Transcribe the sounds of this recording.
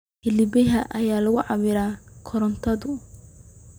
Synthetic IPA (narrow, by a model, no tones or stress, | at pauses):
hɪlɪbɛɦɐʔɐjaːlɐɣʊʕɑβɪɾaːkʰɔɾɔnt̪ʰɐðʊ